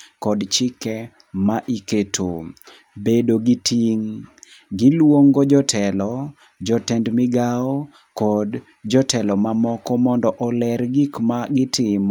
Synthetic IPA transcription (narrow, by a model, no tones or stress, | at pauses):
kɔdt͡ʃɪkɛ | maʔiketʰo̰ | bedoɡitʰiŋ | ɡɪlwoŋɡɔd͡ʒɔtʰɛlɔ | d͡ʒɔtɛndmɪɡao | kɔd | d͡ʒɔtɛlɔmamɔkɔmɔndɔʔɔlɛrɡikmaɡɪtʰɪm